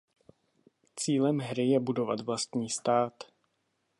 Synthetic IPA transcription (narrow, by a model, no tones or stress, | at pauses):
t͡siːlɛmɦɾɪjɛbudo̞va̰t̪vlast̪ɲiːst̪aːt̪